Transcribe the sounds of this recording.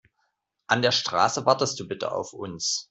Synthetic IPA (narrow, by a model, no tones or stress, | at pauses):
ʔandeːɐʃtʁ̥a̰ːsəvaɐtəst̚d̥uːbɪtə̰ʔa̰ʊfʔʊns